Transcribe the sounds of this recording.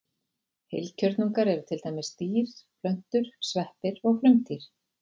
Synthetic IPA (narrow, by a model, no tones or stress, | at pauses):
hɪ̰lcʰœɾt̪nuŋkaɾɛɾʏt̪ʰɪlt̪aːjmɪst̪iːɾðpʰlœn̥t̪ʏɾ̥svɛhpɪɾɔɣflʏm̥t̪iɾ̥